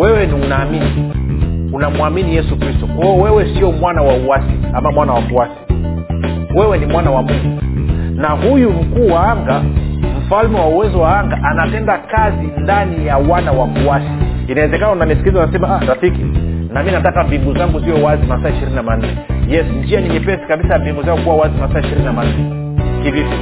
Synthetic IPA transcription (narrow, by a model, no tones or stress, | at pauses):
wɛwɛniunaːmini | unamuaminijɛsukɾistɔkɔjɔwɛwɛsiɔmwanawauasiamamwanawakuasi̥ | wɛwɛnimwanawamuŋɡunahujum̩kuːwaaŋɡam̩falmɛwauwɛzɔwaaŋɡaʔanapɛndakazindanijawanawakuasi | inawɛzɛkanaunamisi̥kizaunasɛmaaɾafikinaminatakambiŋɡuzaŋɡuziɔwazimasaːiʃiɾininaman̩nɛjɛsɲd͡ʒianiɲipɛsi̥kaɓisajambiŋɡuzaŋukuwawazimasaːiʃiɾininaman̩nɛ | kivifɔ